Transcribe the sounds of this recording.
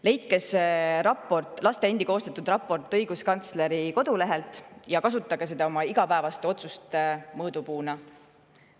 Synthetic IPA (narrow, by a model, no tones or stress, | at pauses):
le̞jt̪̚kesɾɑpːˑo̞rt̪ˑlɑst̪e̞end̪iko̞ːst̪et̪ːˑud̪̥rɑpːˑo̞rt̪ːˑɤjɡ̥uskɑnt̪sle̞ɾiko̞d̪̥ule̞ɦe̞lt̪ˑjɑkɑs̬ut̪ːˑɑɡes̬e̞d̪̥ɑo̞mɑiɡ̥ɑpæe̞vɑst̪eo̞t̪sust̪emɤːd̪̥upuːnɑ